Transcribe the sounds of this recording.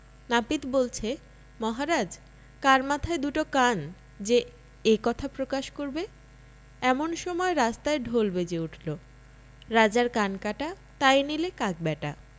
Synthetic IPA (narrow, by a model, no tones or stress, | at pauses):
napit̪bolt͡ɕʰe | mɔɦaɾad͡ʑ | kaɾmat̪ʰaed̪uʈokan | d͡ʑe | ekɔt̪ʰapɾokaʃkoɾbe | ɛmonʃɔmɔeɾast̪aeɖʱolbed͡ʑeuʈʰlo | ɾad͡ʑaɾkankaʈa | t̪ajnilekak̚bɛʈa